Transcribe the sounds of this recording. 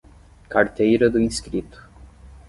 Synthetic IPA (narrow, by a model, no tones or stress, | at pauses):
kaɾt̪ejɾɐd̪ʊĩskɾit̪ʊ̥